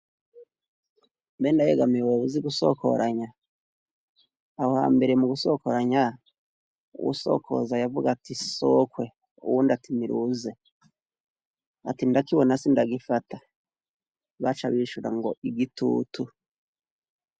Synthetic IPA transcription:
mbendajeɡamiwoβuziɡuso̞̰kʰo̞̰ɾʔaɲa | hoha̰ːmbe̞ɾemuɡusoko̞ɾaɲa | ṵwṵso̞̰kʰo̞̰zajavuɡatisokwe̞ | ṵwundatimiɾuze̞ | a̰tindakiβo̞nasindaɡifata | βat͡ʃaβiʃuɾa̰ŋɡo̞ʔiɡitṵːtu

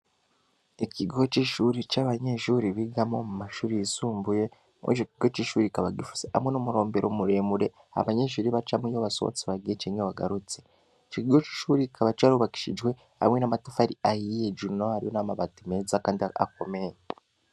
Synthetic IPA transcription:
iciɡo̞t͡ʃiʃuɾit͡ʃaβaɲe̞ʃuɾiβiɡamomumaʃuːɾiisuːmbuje̞ | mʔḛd͡ʒokiɡo̞t͡ʃiʃuːɾikaβaɡifu̥z̥eamwe̞nomuɾo̞ːmbe̞ɾomuɾe̞ːmuɾe̞ | a̰βaɲeʃuːɾiβat͡ʃamijoβaso̰βo̰t͡siβaɡet͡ʃeɲowaɡa̰ɾut͡se | t͡ʃiciɡot͡ʃi̥ːʃuɾikʰaβat͡ʃaɾuβaki̥ʃḭd͡ʒwe̞ | a̰mwenamatufaɾiajijed͡ʒunohaɾiwonamaβatimezakaːndia̰k̚o̞meje

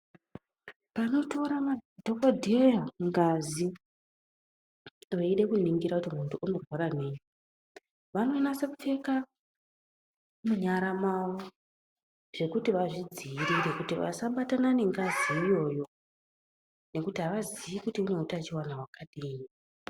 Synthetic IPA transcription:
pano̞to̞ɾamadʱokodʱejaŋɡazi | ʋeiɗe̞kuniŋɡiɾakutimuntʰuʔːno̞rwaɾane̞ɲu | ʋano̞nase̞kufe̞ka | muɲaɾamawo | ʐ̥e̞kutiʋaʐid͡ziiɾiɾe̞kutiʋa̰saɓatanane̞ŋɡaziːjo̞ːjo̞ | ne̞kutiɦaʋaziʋikutiuneutat͡ʃiwanawakaɗiːni

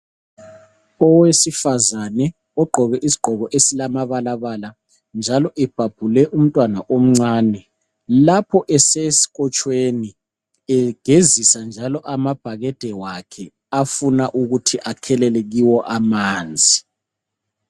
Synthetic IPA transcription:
ɔwesifazanɛ | ɔɡ͡ǃʱɔɣɛʔisi̥ɡ͡ǃ̥ʱɔɣɔʔesilamaβalaβala | nd͡ʒʱalɔʔɛb̥ʱab̥ʱulɛʔum̩tʼwanaʔom̩ŋ͡ǀaːnɛ | lapʰɔʔɛsesi̥ɣɔt͡ʃʼweni | ɛɡ̥ʱezisand͡ʒʱalɔʔamab̥ʱaɣɛd̥ʱɛwakʰɛ | afunaʔuɣutʰiʔakʰɛlɛlɛɣiwɔʔamaːnd͡zʱi

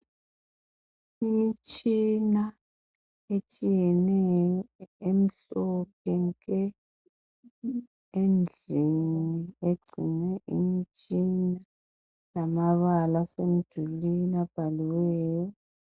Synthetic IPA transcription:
imit͡ʃʼina | et͡ʃʼijɛnɛjjɔem̩ɬɔp̚ʰɛŋkʼɛ | end͡ɮʱinieɡ͡ǀʱinɛʔimit͡ʃʼina | lamaβalasem̩d̥ʒ̥ʱulinab̥ʱaliwɛːjɔ

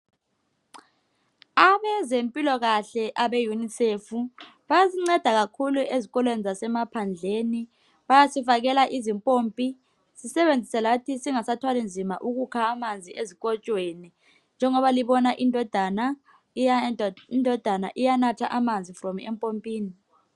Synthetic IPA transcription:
aβɛzempʼilɔɣaɬɛʔaɓejunisefu | ɓajaziŋ͡ǀɛd̥ʱaɣakʰuluʔeziɣɔlwenizasɛmapʰand͡ɮʱeni | ɓajasifaɣ̬ɛlaʔizimpʼoːmpʼi | sisɛβend͡zʱisɛlatʰisiŋasatʰwalind͡zʱimaʔuk̬ukʰaːmand͡zʱiʔeziɣ̬ɔt͡ʃʼweni | nd͡ʒʱɛŋɔβaliβɔnaʔindʱɔd̥ʱana | indʱɔd̥ʱana̰ʔijanatʰaʔamand͡zʱifrɔmɛmpʼompʼiːni

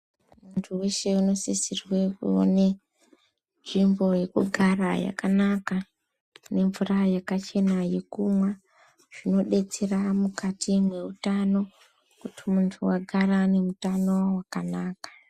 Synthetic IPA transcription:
muntʰuweʃe̞uno̞sisirwe̞kṵo̰ne̞ | nʐimbo̞je̞kuɡʱaraja̰kanaka | ne̞ɱvurajakat͡ʃe̞naje̞kumwa | ʐ̥ino̞ɗe̞t͡seramukatʰimwe̞utano̞ | kutʰimuntʰuwaɡʱarane̞mutano̞wakanaːkḁ

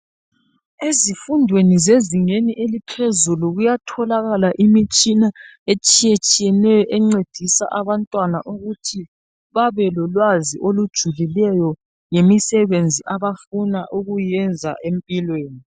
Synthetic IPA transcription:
ezifundʱwenizeziŋeniʔelipʰezuluɣujatʰɔlaɣalaʔimit͡ʃʼina | et͡ʃʼijet͡ʃʼijɛnɛjɔʔɛŋ͡ǀed̥ʱisa̰ʔaβantʼwanaʔuɣutʰi | βaβɛlɔlwaziʔolud̥ʒ̥ʱulilɛjɔ | ŋemisɛβend͡zʱiʔaβafunaʔuɣujɛnd͡zʱa̰ʔempʼilweːni

